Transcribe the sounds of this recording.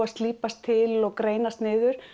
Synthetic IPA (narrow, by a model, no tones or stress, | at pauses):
aðst̪liːpast̪ʰːɪlɔɣkɾeːjnast̪nɪːðʏɾ̥